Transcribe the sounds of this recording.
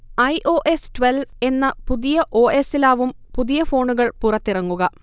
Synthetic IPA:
ɐjʔo̞ːʔe̞stʋelʋe̞nːɐpuðijɐʔo̞ːʔe̞silaːʋum | puðijɐfo̞ːɳuɣɐɭpurɐt̪ːirɐŋːuɣɐ

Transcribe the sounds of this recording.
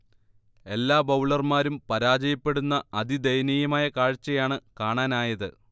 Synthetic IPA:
e̞lːaːbɐwɭɐrmaːɾumpɐɾaːd͡ʑɐjɐpːe̞ɽunːɐɐd̪id̪ɐjnijɐmaːjɐkaːɻt͡ɕːɐjaːɳɨkaːɳaːnaːjɐðɨ

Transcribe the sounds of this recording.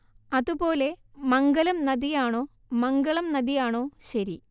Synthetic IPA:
ɐðubo̞ːle̞mɐŋɡɐlɐmnɐðijaːɳo̞ː | mɐŋɡɐɭɐmnɐðijaːɳo̞ːɕɐɾi

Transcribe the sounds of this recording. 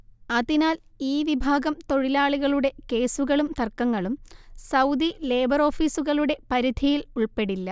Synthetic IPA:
ɐðinaːl | iːʋibʱaːɡɐmt̪o̞ɻilaːɭiɣɐɭuɽe̞ke̞ːsuɣɐɭumt̪ɐrkːɐŋːɐɭumsɐwd̪ile̞ːbɐro̞ːfiːsuɣɐɭuɽe̞pɐɾid̪ʱijiluɭpe̞ɽilːɐ

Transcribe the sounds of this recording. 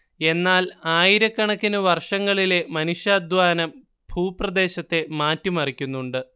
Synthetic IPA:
e̞nːaːlaːjiɾɐkːɐɳɐkːinɨʋɐrʂɐŋːɐɭile̞mɐnuɕjaːd̪ʱʋaːnɐm | b̥ʱuːprɐd̪e̞ːɕɐt̪ːe̞maːtːumɐrikʲːunːuɳɖɨ

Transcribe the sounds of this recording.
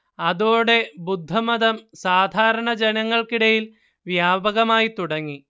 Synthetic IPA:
ɐðoːɽe̞bud̪ʱːɐmɐðɐmsaːd̪ʱaːɾɐɳɐd͡ʑenɐŋːɐɭkiɽɐjil | ʋjaːbɐɣɐmaːjit̪uɽɐŋːi

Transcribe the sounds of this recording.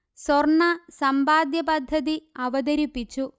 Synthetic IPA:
sorɳɐsɐmbaːd̪jɐpɐd̪ʱːɐðiɐʋɐd̪ɐɾipːit͡ɕːu

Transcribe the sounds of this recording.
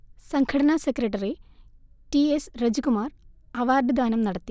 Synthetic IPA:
sɐŋkʰɐɽɐnasekrɐʈ̬ːɐri | ʈiesrɐd͡ʑikumaːrɐʋaːrd̪ʱɨd̪ʱaːnɐmnɐɽɐt̪ːi

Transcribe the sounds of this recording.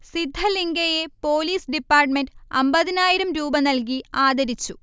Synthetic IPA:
sid̪ʱːɐliŋɡɐjepoːliːsɖipːaːrʈmenɖɐmbɐðinaːjiɾɐmɾuːbɐnɐlk̬iaːd̪ʱɐɾit͡ɕːu

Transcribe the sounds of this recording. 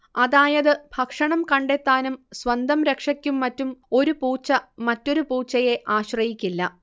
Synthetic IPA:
ɐðaːjɐðɨb̥ʱɐkʂɐɳɐmkɐɳɖe̞t̪ːaːnumswɐnd̪ʱɐmɾekʂɐkʲːumːɐtːumo̞ɾupuːt͡ɕːɐmɐtːo̞ɾupuːt͡ɕːɐje̞ʔaːɕrɐjikʲːilːɐ

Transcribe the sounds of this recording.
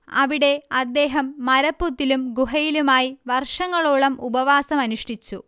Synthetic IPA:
ɐʋiɽe̞ɐd̪ːe̞ːɦɐmːɐɾɐpːut̪ːilumɡuɦɐjilumaːjiʋɐrʂɐŋːɐɭuɭɐmʔubɐʋaːsɐmɐnuʂʈit͡ɕːu

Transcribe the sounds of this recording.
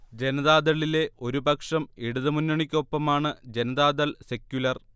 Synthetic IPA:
d͡ʑe̞nɐðaːd̪ɐɭile̞o̞ɾubɐkʂɐmiɽuðɐmunːɐɳikʲːo̞pːɐmaːɳɨd͡ʑe̞nɐðaːd̪ɐlse̞kʲːjulɐr

